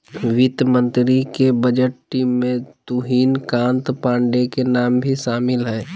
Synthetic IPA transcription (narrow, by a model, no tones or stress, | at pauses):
ʋɪt̪mə̃nt̪ɾikebəd͡ʒəʈʈːiːmːẽt̪uɦiːnkãːnt̪pãːɳɖekenaːmbʱiʃaːmɪlɦɛː